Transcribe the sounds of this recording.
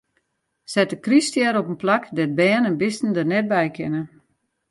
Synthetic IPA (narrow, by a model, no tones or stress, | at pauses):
sɛtəkristjɛɾopənplakdɛt̚bɛːnənbɪstn̩dərnɛt̚bɛjkʰɪnə